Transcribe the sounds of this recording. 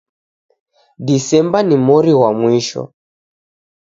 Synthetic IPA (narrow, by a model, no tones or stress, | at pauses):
disɛmbanimɔɾiwamwiʃɔ̰